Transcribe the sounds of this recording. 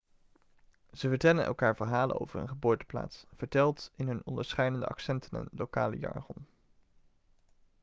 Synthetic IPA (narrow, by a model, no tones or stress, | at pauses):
z̥əvəɹtɛlənʔɛ̰lˠkaːɹv̥əɹɦaːlə̰no̰wvəɹə̰nχəboːɹtə̥pla̰ːtsv̥əɹtɛlˠtɪnɦɵnɔndəɹsχɛjdəndəʔɑ̰ksɛntʰənə̰nlowka̰ːlə̰jɑ̰ɹχɔn